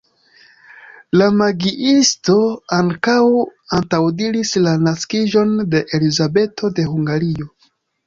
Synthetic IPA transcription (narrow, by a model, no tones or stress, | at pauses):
lamaɡiʔisto̞aŋkawantawdiɾislanaskiʒo̞nde̞ʔelizabe̞tʰo̞de̞huŋɡaɾio̞